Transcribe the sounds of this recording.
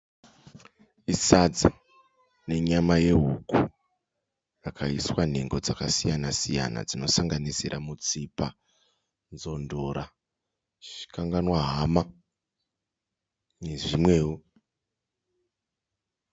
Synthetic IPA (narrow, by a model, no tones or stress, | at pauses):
isad͡za | ne̞ɲamaje̞ɦuku | rakʰaiswan̤e̞ŋɡo̞d͡zakasijanasija̰na̰d͡zino̞saŋɡanisiɾʔamut͡sipa | nzo̞ndo̞ɾa | t͡ʃi̥kaŋɡanwaɦama | ne̞ʐimwe̞ːwu